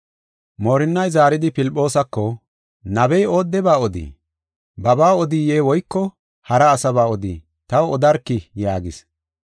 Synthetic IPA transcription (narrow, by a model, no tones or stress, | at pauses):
moːɾɪnːɐjzaːɾɪd̪ɪpɪlpʼːo̞ːsɐkːɔ | nɐbɛjo̞ːd̪ːɛbaːɔd̪ḭː | bɐbaːɔd̪iːjeːwɔjkːɔ | hɐɾɐːsɐbaːɔd̪ḭː | t̪ɐwɔd̪ɐɾkːɪjaːɡɪ̰s